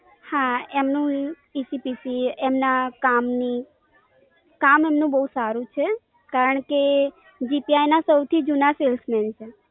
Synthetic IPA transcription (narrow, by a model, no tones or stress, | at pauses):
hãemnũ | isipisiemnakamni | kamemnũbəɦusaɾũt͡ʃʰe | kaɾəɳ̃ke | d͡ʒipiajnasəwt̪ʰid͡ʒunaselsmɛnt͡ʃʰe